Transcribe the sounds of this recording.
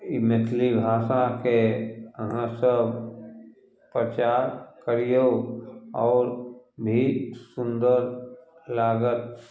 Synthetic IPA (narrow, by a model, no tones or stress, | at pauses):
ɪmɪt̪ʰlibʱaːsakeɦãsəb | pɾət͡ʃaːɾkəɾijo | ɔːɾbʱisʊ̃nd̪əɾlaːɡət̪̚